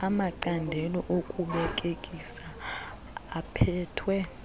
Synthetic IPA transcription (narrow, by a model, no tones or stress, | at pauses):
amaǀandʱɛlɔʔokʼuɓɛkʼekʼisaː | pʰɛːtʰwɛ